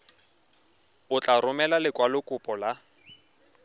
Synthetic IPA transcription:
ʊt͡ɬʼarʊmɛlalɪkʼwalʊkʼʊpʼɔla

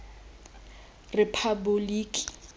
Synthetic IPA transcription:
repʰabʊliːkʼi̥

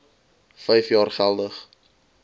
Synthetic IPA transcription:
fəjfjɑːrχɛlˠdəχ

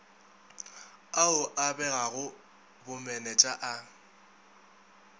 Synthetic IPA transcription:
aʊʔabɛɣaɣʊ | bʊmɛnɛt͡ʃʼaʔa

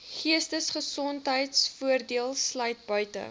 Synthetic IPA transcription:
χiəstəsχəsɔntɦəjtsfuərdiəlˠslœjt̚bœɥtə̰

